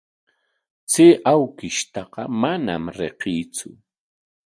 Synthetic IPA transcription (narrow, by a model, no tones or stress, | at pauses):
t͡seːʔawkɪʃt̪ɑqɑmana̰mɾḛqiːt͡sʊ